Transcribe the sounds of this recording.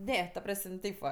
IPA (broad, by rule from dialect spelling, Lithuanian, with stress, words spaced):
ˈnʲɛ tɐ ˈprɐsʲmʲ ˈtʲɛɪp ʋɐ